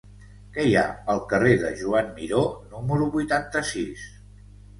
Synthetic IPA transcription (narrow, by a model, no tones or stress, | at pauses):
kɛja̰əlˠkəreðəʒuamːiɾonuməɾuβujt̪ant̪əsis